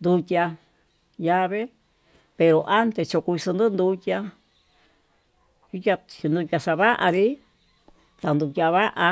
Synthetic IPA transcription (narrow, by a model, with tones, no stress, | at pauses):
nd̪u˧tʲa˧ | ja˧βe˦ | pe˧ɾo˧ʔa˦nt̪e˨t͡ʃo˧ku˧i˧sɨ˧nd̪ɨ˦nd̪u˧tʲa˧ | ju˦tʲa˧t͡ʃi˧nd̪u˧tʲa˧sa˧βa˦ʔa˧ɾi˦ | t̪a˨˧nd̪u˧tʲa˧βa˦ʔa˧